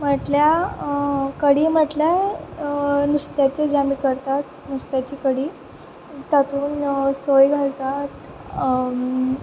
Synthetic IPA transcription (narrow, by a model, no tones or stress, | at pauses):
m̤əʈlja | kəɽiːm̤əʈlja | nust̪jat͡ɕed͡ʑamiːkəɾt̪at̪̚ | nust̪jat͡ɕiːkəɽiː | t̪at̪uːnsojɡʱalt̪at̪